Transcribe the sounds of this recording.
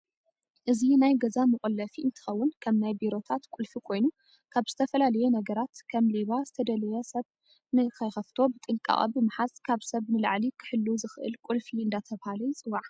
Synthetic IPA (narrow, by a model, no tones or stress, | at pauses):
ʔɨzinajɡɐzamɨχʼɨlːɐfiʔɨnt̪ʰɨ̥xɐwːʊnkʰɐmnajbiɾo̞t̪ʰat̪kʼulfikʰo̞jnu | kʰaβz̥ɨt̪ʰɐfɐlalɐjunɐɡɐɾat̪kʰɐmliβazɨt̪ʰɐd̪ɐlɐjɛsɐβ | nɨkʰɐjxɐft̪ʰo̞bɨt̪ʼɨŋkʼa̰ʔʼɐ̰bɨmaħazkʰaβsɐβnɨla̰ʕlikʰɨ̥ħɨlːuzɨxʔɨ̰lkʼulfiɨnd̪at̪ʰɐβhalɐjt͡sʼɨwːaʕ